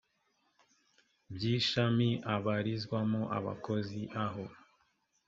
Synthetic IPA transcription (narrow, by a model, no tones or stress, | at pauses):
bjiːʃamiʔaβaɾizɡwamoʔa̰βa̰ko̞ziʔaɦo̞